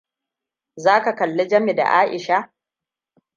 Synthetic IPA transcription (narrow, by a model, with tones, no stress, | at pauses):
zaː˦ka˨kɐ˨lːo˦d͡ʒɐ˦mi˨da̰˨ʔaː˦ʔɪ˨ʃa˦